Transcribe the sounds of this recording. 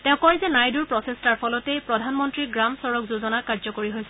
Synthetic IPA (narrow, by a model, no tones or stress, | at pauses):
tɛʊkɔɹɛzɛnajduɹpɹɔsestaɹpʰɔlɔtejpɹɔdʱanmɔntɹiɡɹamsɔɹɔkzuzɔnakaɹzɔkoɹiɦojsɛ